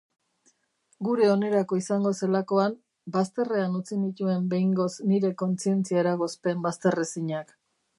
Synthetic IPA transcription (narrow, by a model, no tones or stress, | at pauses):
ɡuɾe̞o̞ne̞ɾako̞isaŋɡo̞se̞lako̞am | bast̪e̞re̞anut͡sinit̪ue̞mbe̞jŋɡo̞sniɾe̞ko̞nt͡sie̞nt͡siaeɾaɣ̞o̞spe̞mbast̪e̞resiɲak